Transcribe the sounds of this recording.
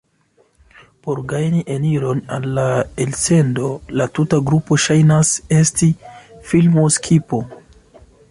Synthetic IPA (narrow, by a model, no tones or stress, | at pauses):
po̞ɾɡajniʔeniɾo̞nalːaelse̞ndo̞latutaɡɾupo̞ʃajnase̞stifilmoskʰipo̞